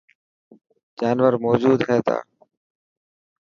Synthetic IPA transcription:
d͡ʒaːnʋəɾmoːd͡ʒuːd̪ɦɛːt̪a̰ː

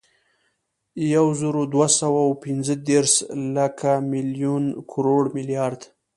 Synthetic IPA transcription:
jawzəɾod̪wasawawpɪnzəd̪eɾslakʰamɪljunkʰʊɾoɽmɪljɑɾd̪

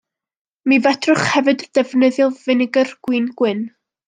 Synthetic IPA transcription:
mivɛd̥rʊχhɛvɨdd̥ɛvnɨðjɔlˠvɨnɪɡərɡ̥wiːnɡ̥wɨn

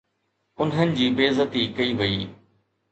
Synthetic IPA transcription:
ʊnɦənɪ̆d͡ʑiːbeːzət̪ikɐiʋɐiː

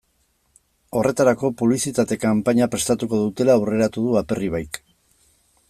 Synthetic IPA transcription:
o̞re̞t̪aɾako̞puβlisit̪at̪e̞kampaɲapɾe̞st̪at̪uko̞ðut̪e̞laure̞ɾat̪uðuape̞riβ̞ajk

